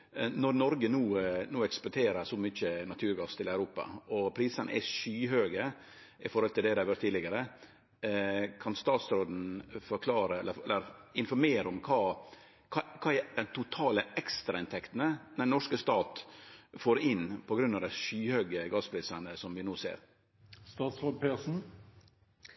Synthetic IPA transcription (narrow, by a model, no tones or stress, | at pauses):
nɔɾnɔɾɡənuːnuːɛkspʊʈʰeːɾəsɔmʏçənɑt̪ʰʉːɾɡɑst̪ʰɪlæʉɾuːpɑ̰ɔpʰɾiːsənʔə̰ʔæ̰ʂyːɦøːɡə | ɪfɔɾhɔlt̪ʰɪld̪ɛd̪ɛɑɾʋœʈt̪ʰːiːd̪ɪɡəɾə | kʰɑnst̪ɑːt̪sɾoːd̪n̩fɔɾkʰlɑːɾəɛlːəɛlːəɾɪnfɔɾmeːɾəɔmkʰɑː | kʰɑkʰɑːɛd̪ɛnt̪ʰʊt̪ʰɑːləʔɛkst̪ɾɑɪnt̪ʰɛkt̪ənəd̪ɛnɔʂkəst̪ɑːt̪foːɾɪnpʰɔɡɾʉnːɑʋd̪æɪʂyːhøːɡəɡɑspʰɾiːsənəsɔmʋɪnoːsḛːɾ | st̪ɑːt̪sɾoːd̪̚pʰeːsn̩